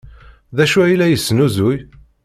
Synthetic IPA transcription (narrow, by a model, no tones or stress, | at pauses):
ðæʃuæilæjəsːnuzʊj